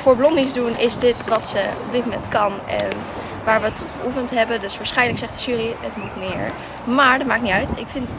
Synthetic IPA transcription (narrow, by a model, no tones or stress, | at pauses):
fʊːɹblɔndɪzdunɪsdɪtʋɑtsəɔb̚dɪt̚momɛntkɑnɛ̰n | ʋaːɹʋəətːɔtχəʔufəntɦɛbəndɵsʋaːɹsχɛjnləksɛχtd̥əʒyːriətmutmɪːɹ | maːɹdɑt̚maːknitœɥtɪkfɪntət